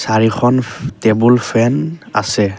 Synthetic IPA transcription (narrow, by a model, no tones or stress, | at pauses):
saɹixʰɔntebulpʰɛna̰sɛ